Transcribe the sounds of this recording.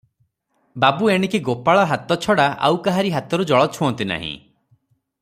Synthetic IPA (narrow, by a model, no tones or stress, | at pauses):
babueɽ̃ikiɡopaɭɔɦat̪ɔt͡ʃʰɔɽaʔa̰wkaɦaɾiɦat̪ɔɾud͡ʒɔɭɔt͡ʃʰuɔnt̪ina̰ɦḭ̃